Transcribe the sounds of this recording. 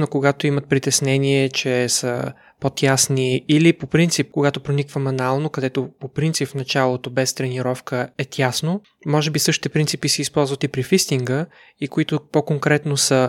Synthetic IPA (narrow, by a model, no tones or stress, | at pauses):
nokoɡat̪oimət̪̚pɾit̪ɛsnɛniɛt͡ʃɛsə̰ | pot̪ʲjasniːlipopɾint̪sip̚koɡat̪opɾonikvəmɐnalˠnokɐd̪ɛt̪opopɾint̪sipfnɐt͡ʃalˠot̪obɛst̪ɾɛniɾɔfkəɛt̪ʲjasno | mɔʒɛbisɤʃt̪i̥t̪ɛpɾint̪sipisɛispɔlˠzvɐt̪ipɾifist̪iŋɡə | ikoit̪opokoŋkɾɛt̪nosə